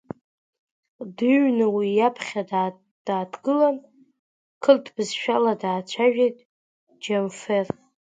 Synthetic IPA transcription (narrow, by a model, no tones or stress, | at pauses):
dɨɥnɨwijapʰχʲad | d̥aːdɡɨlan | kʰɨltʰbɨzʃᶣaladaːt͡ɕʷʰaʒᶣejtʼ | d͡ʒemfer